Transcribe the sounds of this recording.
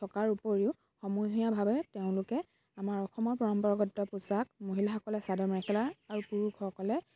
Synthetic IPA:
tʰɔkaɹupoɹiʊ | xɔmujɦijabʱabɛteʊ̃lʊkɛ | amaɹɔxʰɔmɔɹpɔɹɔmpɔɹɡɔtːɔpusak̚moɦilaxɔkɔlɛsadɔmɹɛkʰɛlaaɹupuɹukʰɔkɔlɛ

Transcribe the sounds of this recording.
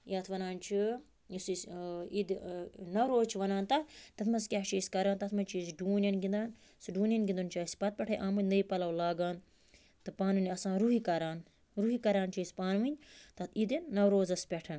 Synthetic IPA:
jɐːt̪ʰʋɐnaːnt͡ʃʰi | isisid̪nɐwɾoːzt͡ʃʰiʋɐnaːnt̪ɐt̪ɐt̪ʰmɐskʲaːt͡ʃʰiːsʲkɐɾaːnt̪ɐt̪ʰmɐnt͡ʃʰisɖuːnʲɐnɡind̪aːn | siɖuːnʲɐnɡʲind̪unt͡ʃaːsʲpɐt̪̚pʲɐʈʰɐjʔaːmnʲnɐipɐlɐwlaːɡaːn | t̪ɨpaːnʋɨnʲɐsãːɾuɦikɐɾaːn | ɾuɦikɐɾaːnt͡ʃʰisʲpaːnʋinʲt̪ɐt̪ʰid̪inːɐwɾoːzɐspʲɛʈʰɐn

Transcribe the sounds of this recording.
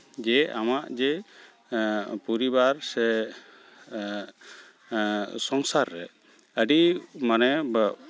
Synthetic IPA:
d͡ʒɛamaʔd͡ʒɛ | puɾibaɾsɛ | sɔŋsaɾːɛ | əɖimanɛb

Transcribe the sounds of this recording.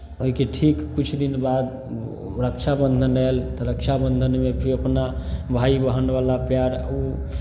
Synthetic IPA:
oɦikeʈʰikːut͡ʃʰd̪inbad̪ | ɾək̚t͡ʃʰabənd̪ʱənəelt̪ɔɾək̚t͡ʃʰabənd̪ʱənmepʰiɾəpnabʱaibəɦənbalapjaɾu

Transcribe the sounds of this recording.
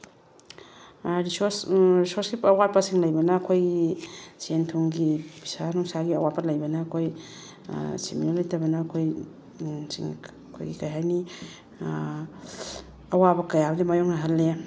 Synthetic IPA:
ɾisosɾisoɾsɡipɐwat̚pɐsiŋlɐjbɐnɐːkʰojɡisentʰuŋɡibisanuŋsaɡiɐwat̚pɐlɐjbɐnɐːkʰoj̰ | siminolɐjtʰɐbɐnɐːkʰoj | sḭŋ | kʰo̰jɡikɐjɦajni | ɐwabɐkɐjabɐdimajoŋnɐɦalːe

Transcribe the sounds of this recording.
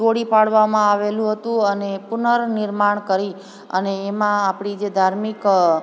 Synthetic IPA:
oɽipaɭʋamãaʋelũɦət̪ũənepʊnəɾnɪɾmaɳ̃kəɾi | ə̰neːmãːpɳ̃id͡ʒed̪ʱaɾmik

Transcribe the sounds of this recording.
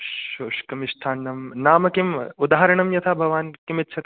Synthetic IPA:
ʃoːʂkɐmiʃt̪ʰaːnːɐmnaːmɐkimud̪aːɦɐɾɐɳɐmjɐt̪ʰabʱɐʋaːnkimit̪ːʃʰɐt̪

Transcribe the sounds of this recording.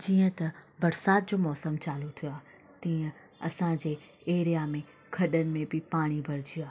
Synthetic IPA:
d͡ʑiːə̃t̪ɐbɐɾsaːt̪̚d͡ʑoːmɔːsəmt͡ɕaːlut̪ʰijoaː | t̪ĩːə̃ | ɐsãd͡ʑeː | eːɾijamẽ | kʰɐɗənɪ̆mẽbɪpaːɽ̃ibʱɐɾɪd͡ʑiaː

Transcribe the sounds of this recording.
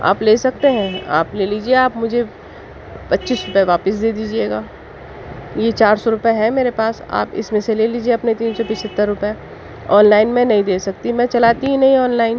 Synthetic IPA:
a̰ːpleːsɐk̚t̪eɦɛ̃a̰ːpleːliːd͡ʒieaːpmʊd͡ʒʱe | pɐtːʃiːsɾʊpɛʋaːpəs̬d̪eːd̪iːd͡ʒieːɡaː | jet͡ʃaːɾsɔɾʊpeɦɛmeːɾepaːsa̰ːpɪ̰smẽseleːliːd͡ʒieɐpnet̪iːnsɔpɪt͡ʃʰət̪ːəɾːʊpɛ | ɔːnlaːɪnmɛ̃nɐɦĩd̪eːsɐk̚t̪imɛ̃ːt͡ʃɐlaːt̪iɦĩnɐɦĩɔːnlaːɪn

